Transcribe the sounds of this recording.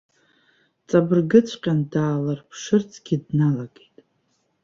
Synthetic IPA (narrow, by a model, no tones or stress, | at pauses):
t͡sʼabɨrɡɨt͡sʷʰqʲʼandaːlarpʰʂɨrt͡sʰʼɡ̥ʲɪdnalaɡejtʼ